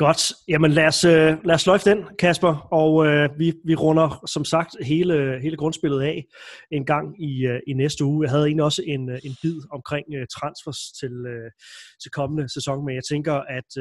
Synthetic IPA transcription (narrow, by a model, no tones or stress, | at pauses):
ɡ̥ɒ̽d̥jæmənlæɐsølæɐslɒɪfd̥en̰kʰæsb̥ɐɒʊøʋiʋiʁɔ̽nɐsɒ̽msɑ̈ɡ̥̚d̥ɦe̝ːləɦe̝ːləɡ̥ʁɔ̽nsb̥e̝lð̞̩ˠɛ̰ːenɡ̥ɑ̈ŋ̰iinesd̥əuːjɑ̈ɪɦæð̞ˠe̝̰ːnliɒ̽səʔe̝ne̝nb̥ið̞̰ˠɒ̽mkʰʁeŋ̰ət͡sʰʁɑ̈nsfæst͡sʰe̝løt͡sʰe̝lkʰɒ̽mənəsesɒ̽ŋmejɑ̈ɪt͡sʰeŋɡ̥ɐʔæd̥